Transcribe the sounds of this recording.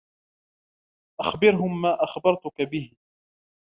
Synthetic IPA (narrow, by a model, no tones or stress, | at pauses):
ʔaxbɪɾɦʊmːaːʔaxbɑɾˤt̪ʊkabɪhɪ